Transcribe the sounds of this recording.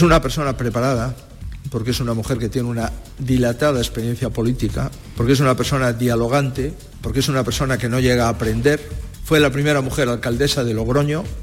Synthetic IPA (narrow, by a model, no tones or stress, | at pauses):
sunape̞ɾso̞napɾe̞paɾað̞a | po̞ɾke̞sunamuxe̞ɾke̞t̪je̞neuna | ðilat̪að̞aespeɾjen̟θjapo̞lit̪ika | poɾkeesunape̞ɾso̞naðialo̞ɣ̞ant̪e | po̞ɾkee̞sunape̞ɾso̞nake̞no̞ʝe̞ɣ̞aːpɾe̞nd̪e̞ɾfwe̞lapɾime̞ɾamuxe̞ɾalkald̪e̞saðe̞lo̞ɣɾo̞ɲo